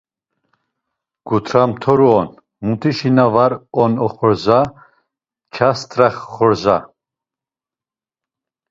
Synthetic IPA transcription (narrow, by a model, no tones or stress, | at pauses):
ɡ̥ut̪ʰɾamt̪ʰɔɾuɔn | mut̪ʰiʃinavaɾɔnɔχɔɾza | t͡ʃʰast̪ʰʼɾaχːɔɾza̰